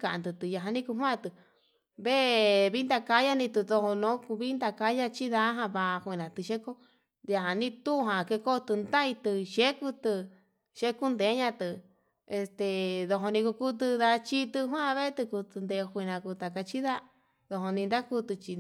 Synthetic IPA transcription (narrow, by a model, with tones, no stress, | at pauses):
kã˧˨ã˧nd̪ɨ˧t̪ɨ˨ja˧ɦã˧nĩ˦ku˧ɦwã˦˧t̪ɨ˧ | βe˦βi˦nd̪a˧ka˧˦ja˦nĩ˧t̪u˧ðo˧ho˧nõ˨˦˧βi˦nd̪a˧ka˧˦ja˧t͡ʃi˦ða˦ɦã˧βa˧kʷe˧˨nã˨t̪ɨ˧ʃe˦ko˦˧ | a˧ɦã˨nĩ˦˧t̪u˦˧ɦã˨ke˧ko˦˧t̪ɨ˧nd̪a˦i˧t̪ɨ˧ʃe˦ku˧t̪ɨ˧ | ʃe˧˦ku˦nd̪e˨˦ɲã˧t̪ɨ˧ | e˧st̪e˧˨ðo˧ɦõ˧nĩ˧ku˧ku˦t̪̬ɨ˧ða˧t͡ʃi˦t̪ɨ˧ɦw̃ã˦˧βe˦t̪ɨ˧ku˧t̪ɨ˧nd̪e˧kʷi˧nã˨˧ku˧t̪a˨ka˧t͡ʃi˦ða˦ | ðo˧ɦo˧nĩ˧nd̪a˦ku˧t̪ɨ˧t͡ʃi˧